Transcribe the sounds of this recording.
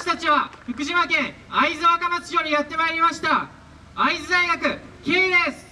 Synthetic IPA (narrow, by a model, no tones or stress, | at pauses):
ɕi̥t̪at͡ɕiβaçɯkɯ̟ʑimakẽ̞ɰ̃aizɨβakamat͡sɨ̥jo̞ɾʲijat̪ːe̞maeɾʲimaɕi̥t̪a | aizɨd̪aiɡakɯ̟kʲeːid̪e̞sɨ̥